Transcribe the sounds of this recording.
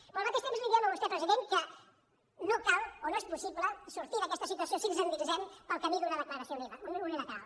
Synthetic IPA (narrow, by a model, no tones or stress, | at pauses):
olˠmat̪eʃt̪emzliðialoβust̪ɛpɾəziðenkə | nokalˠonoespusipləsuɾt̪iðəkɛst̪əsit̪uɐsiosizənd̪izɛmpəlˠkəmiðunəðəkləɾɐsioliβəneuneləka̰w